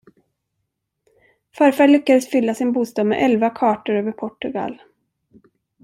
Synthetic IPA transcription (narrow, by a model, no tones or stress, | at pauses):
fœɾfæɭʏkːad̪əsfʏlːasɪnbuːst̪ɑːd̪mɛ̰ʔɛlvakʰɑːʈəɾøːvəɾpʰɔʈɵɡa̰l